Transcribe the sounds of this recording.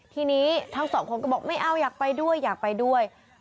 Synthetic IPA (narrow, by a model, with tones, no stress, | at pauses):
t̪ʰiː˧niː˦˥t̪ʰaː˦˥ŋsɔː˩˦ŋkʰo˧˦nka˧˩bɔː˨˩k̚ma˥˩jʔa˧˩wjaː˨˩k̚pa˧jdu˥˩əjːaː˨˩k̚pa˧jdu˥˩əj